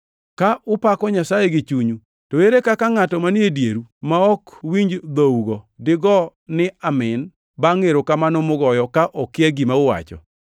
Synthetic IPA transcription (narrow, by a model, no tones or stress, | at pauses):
kaʔʊpakɔɲasajeɡɪt͡ʃuɲu | toeɾekakaŋatɔmanɪedjeɾumaɔkwiɲd͡ʒd̪ouɡɔdɪɡɔnɪamɪn | baŋeɾokamanɔmʊɡɔjɔkaʔɔkɪɛɡimaʊwa̰t͡ʃɔ̰